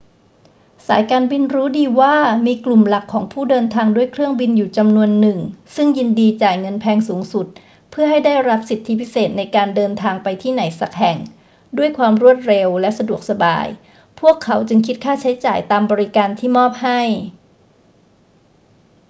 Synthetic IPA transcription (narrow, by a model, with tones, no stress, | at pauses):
saː˩˦jkaː˧nbi˧nɾuː˦˥diː˧waː˥˩miː˧klu˨˩mla˨˩kʰːɔː˩˦ŋpʰuː˥˩dɤː˧nt̪ʰaː˧ŋdu˥˩əjkʰɾɯ˥˩əŋbi˧njuː˨˩t͡ɕa˧mnu˧ənːɯ˨˩ŋsɯ˥˩ŋji˧ndiː˧t͡ɕaː˨˩jŋɤ˧npʰɛː˧ŋsuː˩˦ŋsu˨˩t̪̚ | pʰɯ˥˩əha˥˩jdaː˥˩jɾa˦˥p̚si˨˩t̪ʰːi˦˥pʰi˦˥seː˨˩t̪̚na˧jkaː˧ndɤː˧nt̪ʰaː˧ŋpa˧jt̪ʰiː˥˩na˩˦jsa˨˩k̚hɛ˨˩ŋ | du˥˩əjkʰwaː˧mɾu˥˩ət̪̚ɾe˧wlɛ˦˥sa˧du˨˩ək̚sa˧ba̰ː˧j | pʰu˥˩əkʰːa˩˦wt͡ɕɯ˧ŋkʰi˦˥t̪̚kʰaː˥˩t͡ɕʰa˦˥jt͡ɕa̰ː˨˩jt̪aː˧mbɔː˧ɾi˦˥kaː˧nt̪ʰiː˥˩mɔː˥˩p̚ha˥˩j